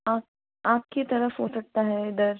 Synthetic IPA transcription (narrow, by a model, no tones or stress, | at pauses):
ap̚ | ap̚kit̪əɾəfɦosək̚t̪aɦɛd̪əɾ